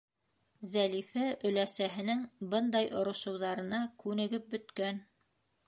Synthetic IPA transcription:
zælifæʔɵ̆læsæɦɘ̆nɘŋbɤnd̪ɑjʔŏɾŏʃɤ̆wðɑɾɤ̆nɑkʉnɘ̆ɡɘp̚bɵ̆t̪kæn

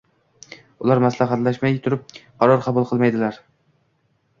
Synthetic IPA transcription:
ʊlˠaɾmaslaχat̪laʃmajt̪ʰʊɾɪp̚qʰɑɾɒɾqʰɑbʊlˠqʰɨlˠmajd̪ɪlaɾ

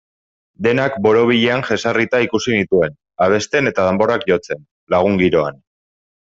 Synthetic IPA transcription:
d̪e̞nakbo̞ɾo̞β̞iʎe̞aŋxe̞sarit̪aikusinit̪ue̞n | aβ̞e̞st̪e̞ne̞t̪að̞e̞mbo̞ɾakʝo̞t͡se̞n | laɣ̞uŋɡiɾo̞a̰n

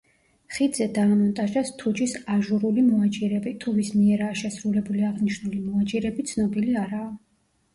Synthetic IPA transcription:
χid̪zɛd̪aːmɔnt̪ʼaʒast̪ʰud͡ʒisaʒuɾulimɔat͡ʃʼiɾɛbit̪ʰuvismiɛɾaːʃɛsɾulɛbuliaʁniʃnulimɔat͡ʃʼiɾɛbit̪sʰnɔbiliaɾaː

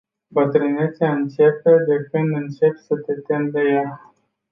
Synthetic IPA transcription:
bət̪ɾɨnet̪siaɨnt͡ʃeped̪ekɨnɨnt͡ʃe̞psət̪e̞t̪emd̪eja

